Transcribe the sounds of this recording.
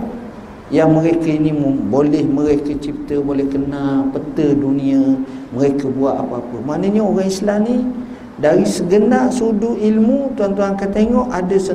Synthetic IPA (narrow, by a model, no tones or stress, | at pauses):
jaŋməɾekainimbolɛhməɾekət͡ʃip̚t̪əbolɛhkənalpət̪əduniaməɾekəbuaʔ̪apəapəmanəɲaoɾaŋislani | daɾisəɡənaʔsuduʔilmut̪uant̪uɦaŋkat̪eŋɔʔadasə